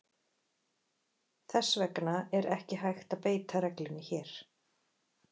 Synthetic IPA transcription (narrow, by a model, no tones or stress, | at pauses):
θɛsːvɛknaɛɾɛhcɪɦajxt̪apeːjt̪ʰaɾɛklɪnɪçɛːɾ̥